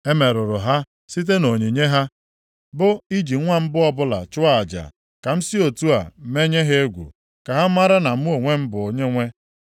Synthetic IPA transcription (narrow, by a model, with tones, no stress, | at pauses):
e˦me˨ɾʊ˨ɾʊ˨ɦa˦ | si˦t̬e˦no˨ɲe˨ɲe˦ɦa˦ | bʊ˦i˦d͡ʒi˨˦ŋʷa˦m̩˦bʊ˦ɔ˦bʊ˦la̰˨t͡ʃʊ˦a˨a˨d͡ʒa̰˨ | ka˨m̩˦si˦o˨tu˦a̰˨˦me˦ɲe˦ɦe˦e˦ɡʷṵ˨ | ka˨ɦa˦ma˦ɾa˦na˨˦u˦o˨ŋʷe˦m̩˦bʊ˨o˨ɲe˦ŋʷe˦